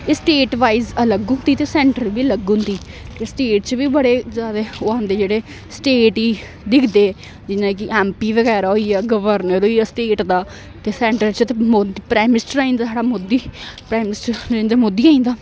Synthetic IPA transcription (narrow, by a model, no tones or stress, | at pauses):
ɪsʈeːʈʋaːizələɡɦʊ̃nd̪iːt̪eːsɛ̃ːɳʈəɾbiːələɡɦʊ̃nd̪iːt̪eːsʈeːʈ̚t͡ʃʋiːbəɽeːzjaːd̪aːʊãːnd̪eːd͡ʒeːɽeː | sʈeːʈiː | d̪ɪkʰd̪eː | d͡ʒɪnãːk̬ɪʔɛ̃ːmpiːʋəɡɛːɾaːɦoijaːɡəʋəɾnəɾoːiːasʈeːʈd̪aː | t̪eːsɛ̃ːɳʈəɾt͡ʃət̪emoːipɾaːmɪnɪsʈəɾaːĩːnd̪aːsaːɽaːmoːd̪iːpɾaːjmɪnɪsʈəɾãːnd̪amoːd̪ːiːaːĩnd̪aː